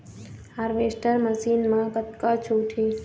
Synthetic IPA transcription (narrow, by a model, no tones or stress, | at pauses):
aːɾʋesʈəɾməsiːnmãkət̪̚kat͡ʃʰuːʈʰi